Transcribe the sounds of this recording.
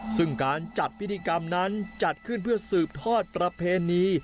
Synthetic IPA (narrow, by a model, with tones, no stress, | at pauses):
sɯ˥˩ŋkaː˧nt͡ɕa˨˩t̪̚wi˦˥t̪ʰːiː˧ka˧mna˦˥nt͡ɕa˨˩t̪̚kʰɯ˥˩npʰɯ˥˩ɐsɯː˨˩p̚t̪ʰɔː˥˩t̪̚pɾa˧pʰeː˧niː˧˥